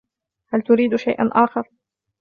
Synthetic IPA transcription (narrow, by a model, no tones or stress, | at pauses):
halt̪ʊɾiːd̪ʃajʔa̰nʔaːxɑɾˤ